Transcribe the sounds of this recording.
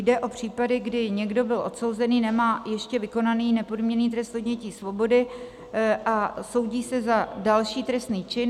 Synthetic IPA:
jdɛʔo̞pr̝̥iːpadɪɡdɪɲɛɡdo̞bɪlʔo̞t̪so̞wzɛniːnɛmaːjɛʃcɛvɪko̞naniːnɛpo̞dmɲɛniːt̪̬ɾɛst̪odɲɛciːsvo̞bo̞dɪ | ʔaso̞wɟiːsɛzadalʃiːt̪ɾɛst̪niːt͡ʃɪn

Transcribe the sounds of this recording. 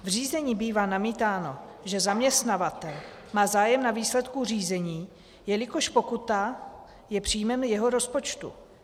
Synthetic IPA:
vr̝iːzɛɲiːbiːvaːnamiːt̪aːno̞ʒɛzamɲɛst̪navat̪ɛl | maːzaːjɛmnaviːslɛt̪kuriːzɛɲiː | jɛlɪko̞ʃpo̞kut̪a | jɛpr̝̥ijmɛmjɛɦo̞ɾo̞spo̞t͡ʃt̪ṵ

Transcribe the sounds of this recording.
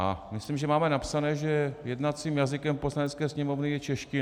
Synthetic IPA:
a̰mɪslimʒɛmaːmɛnapsanɛːʒɛjɛdnat͡siːmjazɪkɛmpo̞slanɛt͡skɛːsɲɛmovnɪjɛt͡ʃɛʃcɪ

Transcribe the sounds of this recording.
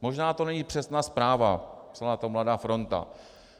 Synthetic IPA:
mo̞ʒnaːt̪o̞nɛɲiːpr̥ɛsnaːspɾaːva̰psɛlaːt̪o̞mladaːfɾo̞nt̪a̰

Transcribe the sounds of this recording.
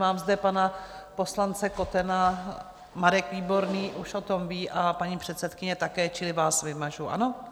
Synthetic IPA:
maːmzdɛpanapo̞slant͡sɛko̞t̪ɛna | maɾɛkviːbo̞ɾniːʔuʃʔo̞t̪o̞mviːʔapaɲiːpr̥ɛt̪sɛt̪kɪɲɛt̪akɛːt͡ʃɪlɪvaːsvɪmaʒuʔa̰no̞

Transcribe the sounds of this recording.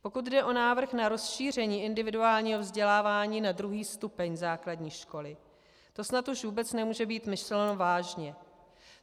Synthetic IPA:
po̞kut̪dɛʔo̞naːvr̩xnaɾo̞sʃiːr̝ɛɲiːʔɪndɪvɪduaːlɲiːɦo̞vzɟɛlaːvaːɲiːnadɾuɦiːst̪upɛɲzaːkladɲiːʃko̞lɪ | t̪o̞snat̪uʃvuːbɛt͡snɛmuːʒɛbiːt̪mɪslnovaːʒɲɛ

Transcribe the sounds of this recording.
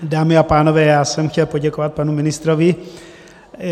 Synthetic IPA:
daːmɪapaːnovɛːjaːsɛmxcɛlpo̞ɟɛkovat̪̚panumɪnɪst̪ɾovɪ

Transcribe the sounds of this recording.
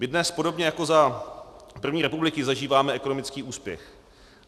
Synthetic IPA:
mɪdnɛspo̞ɾo̞bɲɛjako̞za | pr̩vɲiːɾɛpublɪkɪzaʒiːvaːmɛɛko̞nomɪt͡skiːuːspjɛ̰x

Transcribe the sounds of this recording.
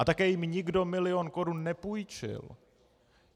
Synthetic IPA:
ʔat̪akɛːjɪmɲɪɡdo̞mɪlɪo̞nko̞ɾunːɛpujt͡ʃɪ̰l

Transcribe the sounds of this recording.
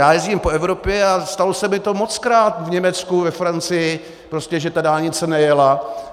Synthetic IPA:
jaːjɛzɟiːmpo̞ɛvɾo̞pjɛast̪alosɛmɪt̪o̞mo̞t͡skɾaːt̪vɲɛmɛt͡skuvɛfɾant͡sɪjɪ | pɾoscʲɛʒɛt̪adaːlɲɪt͡sɛnɛjɛla

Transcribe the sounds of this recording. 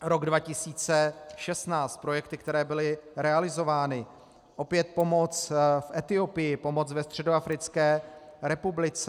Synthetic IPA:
ɾo̞ɡdvacɪsiːt͡sɛʃɛst̪naːt͡st̪̚pɾo̞jɛkt̪ɪkt̪ɛɾɛːbɪlɪɾɛalɪzo̞vaːnɪ | ʔo̞pɪjɛt̪̚po̞mo̞t͡sfʔɛt̪ɪo̞pɪjɪpo̞mot͡svɛst̪r̥ɛdoafɾɪt͡skɛːɾɛpublɪt͡sɛ

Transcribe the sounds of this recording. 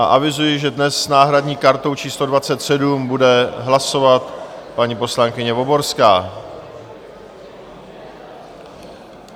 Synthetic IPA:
aʔavɪzujɪʒɛdnɛsːnaːɦɾadɲiːkaɾt̪o̞wt͡ʃiːslo̞dvat͡sɛt̪sɛdumbudɛɦlaso̞vat̪paɲipo̞slaŋkɪɲɛvo̞bo̞ɾskaː

